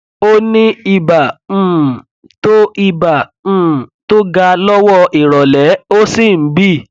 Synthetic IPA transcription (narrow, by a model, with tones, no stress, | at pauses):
o˦nĩ˦i˧bã˨ | to˦i˧bã˨ | to˦ɡa˧lɔ˦wɔ˦ʔi˨ɾɔ˨lɛ˨˦o˦si˦˨˦bi˦˨